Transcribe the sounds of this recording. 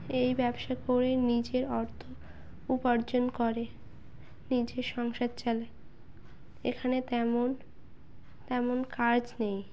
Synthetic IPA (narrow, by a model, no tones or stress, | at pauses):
ejbɛbʃakoɾenid͡ʑeɾɔɾt̪ʰo | upaɾd͡ʑonkoɾe | nid͡ʑeɾʃɔŋʃad̪̚t͡ɕɛle | ekʰanet̪ɛmon | t̪ɛmonkaɾd͡ʑnej